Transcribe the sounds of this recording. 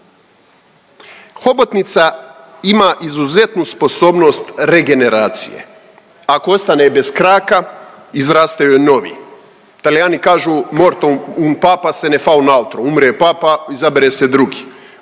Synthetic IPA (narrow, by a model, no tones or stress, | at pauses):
xo̞bot̪nit̪sa | imaʔizuze̞t̪nuspo̞so̞ːbno̞ːst̪ɾe̞ɡe̞ne̞ɾaːt̪sḭjḛ | akoost̪anebe̞skɾaːka | izɾaːst̪ajujno̞ʋḭ | t̪alijaːnikaːʒumo̞ɾt̪ounpaːpase̞nefaunaut̪ɾoumɾepaːpaizabeɾese̞d̪ɾuɡi